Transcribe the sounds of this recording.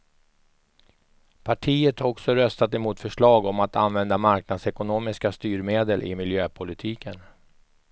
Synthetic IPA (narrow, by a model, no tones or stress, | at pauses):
pʰaʈʰiːət̪haɾɔksɔɾœst̪at̪ɛmuːt̪fœʂɭɑːɡɔmat̪a̰nvɛnd̪amaɾknad̪sɛkʊnoːmɪskast̪yːɾmeːd̪əlʔɪ̰mɪljøːpʰʊlɪt̪ʰiːkʰən